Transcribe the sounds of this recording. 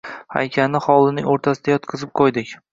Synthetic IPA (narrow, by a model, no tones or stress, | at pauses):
ha̰jkʲʰanːɪχɒlˠɪnɪŋoɾt̪ʰasɪd̪ajɒt̪qʰɨzɪp̚qʰojd̪ɪkʲ